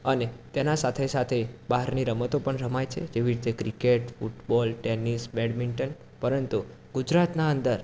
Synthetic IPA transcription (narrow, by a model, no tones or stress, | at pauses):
ənet̪enasat̪ʰesat̪ʰebaɦəɾniɾəmət̪opəɳɾəmajt͡ʃʰḛd͡ʒeʋiɾt̪ekɾikeʈfuʈbɔlʈenisbɛɽmiɳʈən | pəɾənt̪u | ɡud͡ʒɾat̪naənd̪əɾ